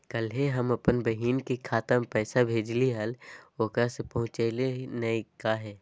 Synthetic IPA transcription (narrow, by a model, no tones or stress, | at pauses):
kəlɦeɦɐmɐpənbəɦiːnkekʰaːt̪əmpɛːsabʱeːd͡ʒliɦəloːkasepɐɦʊ̃t͡ʃelenɐikaɦɛː